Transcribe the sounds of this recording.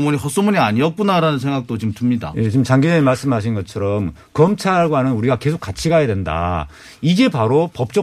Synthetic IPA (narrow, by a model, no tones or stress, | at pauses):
muɲihʌs͈omuɲiaɲiʌk̚p͈unaɾanɯnsʰe̞ŋɡak̚t͈ot͡ɕimtɯmɲida̰jet͡ɕimt͡ɕaŋɡid͡ʑemaɭs͈ɯmɦaɕ̬ʰinɡʌt͡ɕʰʌɾʌm | kʌmt͡ɕʰaɡoɦanɯnuɾiɡake̞sʰok͈at͡ɕʰiɡajadwenda̰ | id͡ʑe̞paɾopʌp̚t͡ɕ͈ʌ